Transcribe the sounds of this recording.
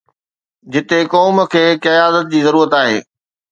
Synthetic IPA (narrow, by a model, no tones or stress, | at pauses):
d͡ʑɪt̪ekɔːmə̆kʰeːkɐjaːd̪ət̪̚d͡ʑiːzɐɾuːɾət̪aːɦḛː